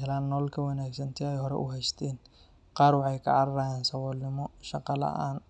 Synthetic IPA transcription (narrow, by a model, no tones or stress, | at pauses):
ɛlaːnːɔːlkʰɐwɐnaːɡsɐnt̪ʰɛɛjhɔɾɛ̰ʔʊɦɛjst̪ʰɛːn | qɑːrwɑħɑjkʰɐ̰ʕɑɾɐɾaːjaːnsɐwɔlːɪmɔʃɑqɑlɐ̰ʔaːn